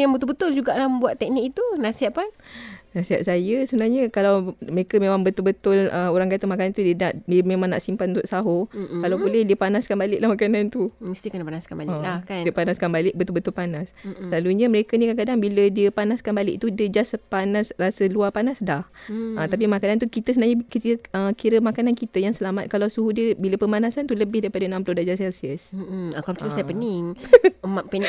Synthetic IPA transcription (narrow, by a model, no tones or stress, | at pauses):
jaŋbət̪ʊlbət̪ʊld͡ʒuɡaʔlahməmbuat̪ːɛk̚nikit̪unasiɦat̪̚pannasiɦat̪̚sajəsəbənaɲəkalawməɾekəmemaŋbət̪ʊlbət̪ʊləoɾaŋkat̪əmakannt̪udiənaʔdəmemãŋna̰ʔsimpanunt̪ʊʔsaɦokalawbolɛhdiəpanaskanbalɪʔlahmakanant̪uməst̪ikənəpanaskanba̰ləkndiəpanaskanbalɪk̚bət̪ʊlbət̪ʊlpanaslaluɲəməɾekənikankadaŋbilədiəpanaskanbalɪ̰ʔ̚t̪udiəd͡ʒaspanasrasəluapanasdahʔət̪ap̬imakanant̪̬ukit̪əsənaɲəkit̪əəkiɾəmakanankit̪əjaŋsəlamat̪̚kalawsuhudiəbiləpəmanasant̪uləbɪhdaipadənãmpəlodad͡ʒasɛlsiəsakausajəpənɪŋmapə